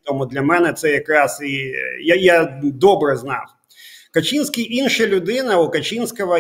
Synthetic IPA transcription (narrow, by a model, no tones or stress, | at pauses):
t̪ɔmʊd̪lʲɐmɛnɛt̪sɛjɐkɾɑsijajad̪ɔbɾɛznɑ̰w | kɐt͡ʃʲinsʲkʲijʔinʃɐlʲʊd̪ɪnɐʊkɐt͡ʃʲinsʲkɐʋɐ